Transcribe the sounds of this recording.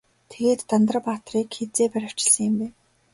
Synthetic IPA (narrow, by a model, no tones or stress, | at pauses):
t̪ʰeɣeːt̪ːant̪ə̆rpaːt̪riːkxet͡seːpæɾʲɪ̆w̥t͡ɕɪ̆ɮsə̆ŋjɪ̆mpæːn